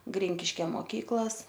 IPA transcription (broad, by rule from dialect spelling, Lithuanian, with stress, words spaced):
ˈɡrʲɪŋʲkʲɪʃʲkʲɛ moːˈkʲiːklˠɐs